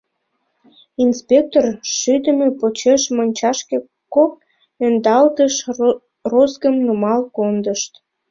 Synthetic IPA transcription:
inspʲek̚t̪orʃyd̪əmepot͡ɕeʃmonʲt͡ɕɑʃke | kok̚ | ønd̪ɑlt̪əʃ | rozɡəmnumɑlkond̪əʃt̪

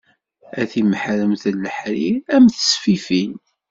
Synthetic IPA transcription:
æθimħɾəmθəlːəħɾiæmθə̥sfifin

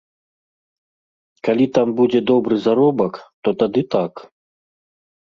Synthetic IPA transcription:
kalʲit̪ambudʲɛd̪obɾɨzaɾobɐkt̪ot̪ad̪ɨt̪ak

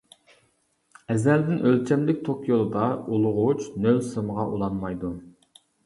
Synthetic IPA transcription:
ɛzæld̪ɪnʔølt͡ʃʰɛmlɪk̚ʲt̪ʰokʰjolˠɨd̪ɑulˠʊʁʊt͡ʃnølsɨmʁɑʔulˠɑnmɑjd̪u

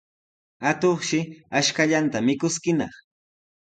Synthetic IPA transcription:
at̪oχʃɪaʃkaʎant̪amɪkʊskɪnɑ̰χ

